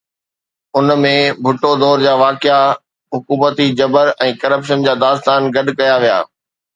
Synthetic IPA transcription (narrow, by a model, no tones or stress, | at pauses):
ʊnmẽbʱʊʈod̪ɔːɾd͡ʑaːʋaːkɪa | ɦʊkuːmət̪id͡ʑɐbəɾɛ̃ːkɐɾəpʃənd͡ʑaːd̪aːst̪aːnɡɐɗkɐjaʋija̰ː